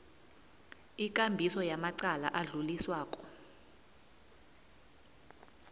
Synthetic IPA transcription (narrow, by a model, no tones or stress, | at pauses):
ik̬ʼambʱisɔjamaǀala̰ʔaɮuliswaːkʼɔ̥